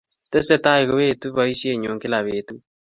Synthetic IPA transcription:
tɛ˦sɛ˦ta˦eɣo˨βe˦tu˦βa˦i˦sje˦ɲoː˨ŋɡe˦la˨βetu

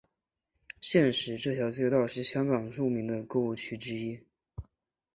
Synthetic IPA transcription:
ɕjɛ˥˩nʂɻ̩˧˥ʈ͡ʂɤ˥˩ɕʰjɑ˧˥ʊt͡ɕɛ˥˧t̪ɑ˥˧ʊʂɻ̩˥˩ɕjɑ˥ŋkɑ˨˩ŋʈ͡ʂu˥˩mi˧˥ŋd̪ə˧kɤ˥˧u˥˩t͡ɕʰy˥ʈ͡ʂɻ̩˥i˥

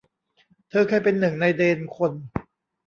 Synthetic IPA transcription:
t̪ʰɤː˧kʰa˧˥˩jpe˧nːɯ˨˩ŋna˧jdeː˧nkʰo˧n

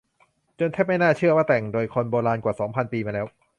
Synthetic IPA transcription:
t͡ɕo˧nt̪ʰːp̚ma˥˩jnaː˥˩t͡ɕʰɯ˥˩ɐwaː˥˩t̪ɛ˨˩ŋdoː˧jkʰo˧nboː˧ɾaː˧nkwa˨˩sɔː˩˦ŋpʰa˧npiː˧maː˧lɛː˦˥w

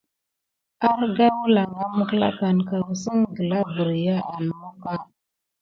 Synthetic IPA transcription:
a˦ɾɡa˦wu˦la˨ŋa˦mə˦kla̰˦ka˨nka˨wu˨sə˦ŋɡə˨la˦bə˨ɾi˨ja˦ʔa˨n˨mu˦ka˦

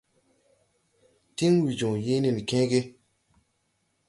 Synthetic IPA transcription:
ti˦ŋwi˨d͡ʒũ˨je˦ni˨n˨kẽ˦ɡe˦

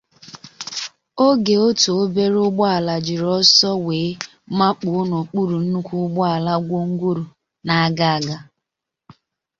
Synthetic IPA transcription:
o˦ɡe˨o˦to˨o˦be˦ɾʊ˦ɡ͡bɔ˦a˨la˨d͡ʒɪ˨ɾɔ˦sɔ˦weː˨˦ | ma˦k͡pʊ˨˦no˨k͡pu˦ɾu˨n̩˦nu˦kʷu˦ɡ͡bɔ˦a˨la˦ɡʷo˦ŋ̩˦ɡʷu˦ɾu˨ | na˨a˦ɡa˦a˨ɡa˨

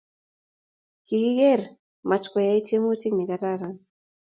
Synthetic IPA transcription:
ki˨ki˦ɣɛ˦˨ɾ | ma˨t͡ʃkɔ˨ja˦i˦te˦mu˦ti˦kni˨ka˨ɾa˦˨ɾa˦

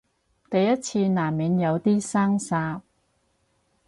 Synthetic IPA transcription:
t̪ɐ˨jːɐ˥t̚t͡sʰiː˧naː˨˩mːiː˨˧˥njɐ˨˧wt̪iː˥saː˥ŋsaː˧p̚

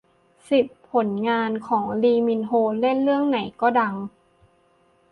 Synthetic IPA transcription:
si˨˩pʰːo˩˦nŋaː˧nkʰɔː˩˦ŋliː˧mi˧nɦoː˧le˥˨nlɯ˥˩əŋna˩˦jkɔː˥˩da˧ŋ

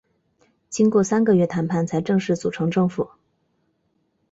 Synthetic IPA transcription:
t͡ɕi˥nkwɔ˥˩sa˥nɡə˧ɥɛ˥˩t̪ʰa˧˥npʰa˥˩nt͡sʰa˧˥ɪʈ͡ʂɤ˥˧ŋʂɻ̩˥˩t͡su˨˩ʈ͡ʂʰɤ˧˥ŋʈ͡ʂɤ˥˩ŋfu˨˩˦

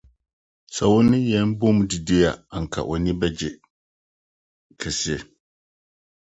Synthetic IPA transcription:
sa˨wʊ˦nɪ̃˦jɛ˨˦m˦bʊ˦m˨di˨di˦a˨a˨ŋ̩˨kʰa̰˨ʔɔ˨nĩ˦bɛ˦d͡ʑɛ˨ | kʰɛ˨si˦ɛ˨

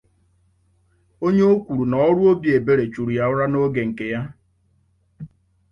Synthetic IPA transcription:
o˦ɲe˦o˦kʷu˨ɾu˨nɔ˨ɔ˦ɾu˦o˦bje˨be˦ɾe˨t͡ʃu˨ɾu˨ja˦ʊ˦ɾa˦no˦ɡe˨ŋ̩˨ke˨ja˦

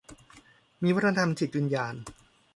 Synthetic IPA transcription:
miː˧wa˥t̪̚ʰːna˧t̪ʰa˧mt͡ɕʰi˨˩t̪̚wi˧njaː˧n

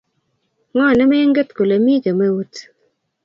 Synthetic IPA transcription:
ŋɔ˦˨nɛ˦me˦ŋɡe˦tko˨le˨mi˦ke˨me˦wu˦t

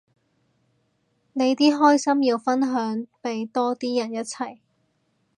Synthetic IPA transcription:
ne˨˧jt̪iː˥ɦɔː˥jsɐ˥mjiː˧wfɐ˥nɦœː˨˥ŋpe˨jt̪ɔː˥t̪iː˥jɐ˨˩njɐ˥t̚t͡sʰɐ˨˩j

